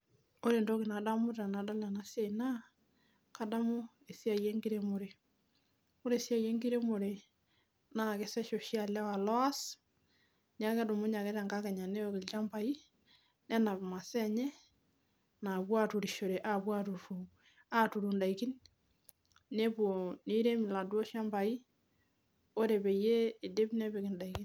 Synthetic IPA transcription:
o˦ɾe˨ndo˦ki˨na˨da˦mu˦ta˨na˨da˦la˨na˦sja˦i˨na˦ | ka˨da˦mo˦ | e˨sja˨je˦ŋɡi˦ɾe˦mo˨ɾe˨ | o˦ɾe˨sja˦˨je˦ŋɡi˦ɾe˦mo˨ɾe˨ | na˨ke˦sɛ˦ʃo˨ʃja˨la˦wa˨lɔ˦a˦s | ɲa˦kɛ˦do˨mu˦ɲa˨kɛ˦ta˨ŋɡa˦kɛ˨ɲa˨ne˦o˨ki˨lt͡ʃa˦mpa˨i˦ | nɛ˦na˨bma˨sɛ˦ɲɛ˦ | na˨bwa˦tu˨ɾi˨ʃo˨ɾe˨ʔa˦bwa˦tu˨ɾu˨ | a˦tu˨ɾu˨nda˨iki˦n | ne˦bo˨ni˦ɾe˦mi˨la˨dwo˦ʃa˦mba˨i˦ | o˦ɾe˨be˨jeː˦˨de˦bne˦be˨kɪ˨nda˨i˨ki˦n

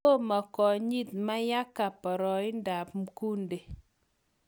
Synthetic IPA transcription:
o˦ma˨kɔ˨ɲi˦t̪ma˦ja˦ka˨pɔ˨ɾɔ˨ɪ˦nda˨pmku˦nde˨

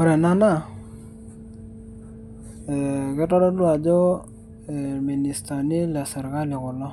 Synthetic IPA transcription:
ɔ˦ɾɛ˨na˦na˦˨ | kɪ˦tɔ˦dɔ˦lwa˨d͡ʒɔ˦ | ɛ˨mi˨ni˨sta˨nɪ˦la˨sɛ˨ɾka˦lɪ˨kʊ˨lɔ˦

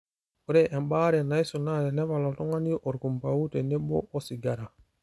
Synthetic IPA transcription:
u˦ɾɛʔɛ˨mba˦ɾɛ˨na˦jsu˨naɾɛ˨nɛ˦βa˨lɔ˨tɔ˦ŋa˦ni˦ʔɔ˨ɾku˨mpa˨wu˦tɛ˨nɛ˦bɔ̰˦ʔɔ˦siɡaɾa˨

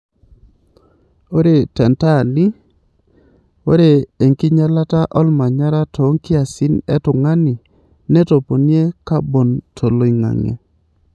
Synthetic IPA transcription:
o˦ɾe˨tɛ˨nta˦˨nɪ˦ | o̰˦ɾe˨e˨ŋki˦ɲa˦la˦ta˦ʔɔ˦lma˨ɲa˦ɾa˦to˨˦ŋkɪ˦a˨sɪ˦nɛ˦tʊ˨ŋa˦nɪ˨ | nɛ˦to˨po˨nje˦ka˦bo˨ntʰo˨lo˨i˨ŋa̰˨ŋḛ˨

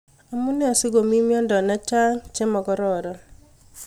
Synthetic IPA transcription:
a˨mu˦nɛ˦ɔ˨sɪ˦ɡo˨mi˦mjɔ˦ndɔ˨na˦t͡ʃa˦ŋt͡ʃe˦mɔ˨ɡɔ˦ɾɔ˨ɾɔ˨

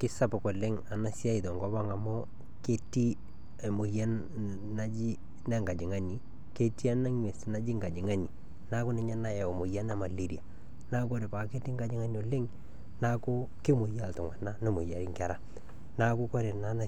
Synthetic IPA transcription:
kɪ˦sa˦pʊ˨kɔ˨lɪ˦ŋa˨na˨sja˦i˨tɔ˨ŋɡɔ˦ba˦ŋa˨mʊ˦ | ke˦ti˦ | e˨mʊ˨ja˦n | na˦d͡ʒi˦ | nɛ˦ŋɡa˨d͡ʒɪ˨ŋa˦ni˨ | ke˦ti˦a˦na˦ŋɲ˦e˨si˦na˦d͡ʒi˦ŋɡa˨d͡ʒɪ˨ŋa˦ni˨ | na˦kʊ˦nɪ˦ɲa˦na˦jɛ˨o˨mʊ˨ja˦na˦ma˨li˦ɾi˨a˨ | na˦ko˦ɾe˨pa˨ke˦ti˦ŋɡa˨d͡ʒɪ˦ŋa˦n˨o˨lɪ˦ŋ | na˦kʊ˦ | kɪ˦mʊ˨ja˦˨ltʊ˨ŋa˨na˦nɔ˦mo˨ja˨ɾi˦ŋkɛ˨ɾa˦˨ | na˦kʊ˦kɔ˦ɾe˨na˨˦na˦

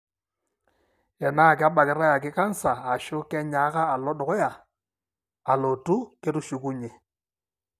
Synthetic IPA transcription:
ɛ˨na˦˨kɪ˦a˦ba˨kɪ˨˦ɾa˦ja˨k̬ɪ˦ka˦n˦sa˨a˨ʃʊ˦kɛ˦ɲa˨˦kaː˦˨lɔ˦dɔ˨kɔ˦ja˨ | a˨lo˨tu˦ke˦tu˦ʃu˨ku˦ɲe˨

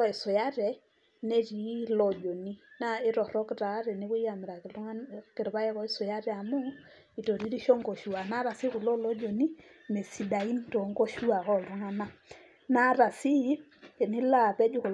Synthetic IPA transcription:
ɔ˦i˨sɔ˨ja˦ɾɛ˨ | nɛ˦ɾi˨˦lɔ˨d͡ʒɔ˨ni˦na˦ɪ˦ɾɔ˨ɾɔ˦kɪ˨ɾa˨˦ɾɛ˨nɪ˦βu˦i˦ja˨mɛ˨ɾa˨kkɛ˨ɾβa˦jɛ˦kɔ˦i˦sɔ˨ja˦ɾɛ˦a˨mu˦ | i˨tɔ˨ɾi˦ɾi˦ʃɔ˦ŋɡɔ˨ʃu˨a˨na˦ɾa˨si˦ku˨lɔ˦lɔ˦d͡ʒɔ˨ni˦ | mɛ˨si˨da˨i˦n˦tɔ˨ŋɡɔ˦ʃu˦a˨ɣɔ˦˨ɾu˦ŋa˦na˦ | na˦ɾa˨si˦˨ | nɪ˦la˦˨pɛ˦d͡ʒu˦ku˨

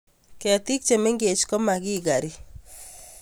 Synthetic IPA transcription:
kɛa˨t̪i˦k̚t͡ʃe˨me˦ŋɡe˨d͡ʒkɔ˦ma˨ɡɪ˦ɡa˨ɾi˦

